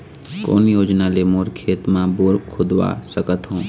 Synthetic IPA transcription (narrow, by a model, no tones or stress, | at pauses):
ko̰ːnjoːd͡ʒnalemoːɾkʰeːt̪mãboɾkʰʊd̪ʋa̰səkət̪ɦũː